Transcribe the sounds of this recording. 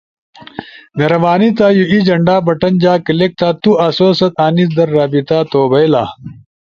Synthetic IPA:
nɐɾɐʋaːnit̪aːjuʔid͡ʑɐɳɖaːbɐʈɐnd͡ʑaːkɐlek̚t̪aːt̪uʔɐsoːsɐt̪aːnisd̪ɐɾːaːbit̪aːt̪oːbɐjla̰ː

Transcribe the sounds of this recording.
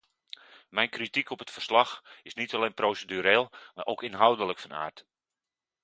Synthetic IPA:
mɛjnkritikʰɔpətfərslɑxɪsnitalejnproːsedyɾeːlˠmaʔowkɪnɦawdələkfɔna̰ːrt

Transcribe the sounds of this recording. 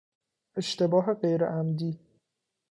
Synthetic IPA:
ʔe̞ʃt̪ʰe̞bɒːɦe̞ɢejɾḛʔæmd̪iː

